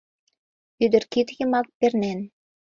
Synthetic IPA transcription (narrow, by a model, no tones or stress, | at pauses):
yd̪ə̆rkit̪jə̆mɑk̚pernen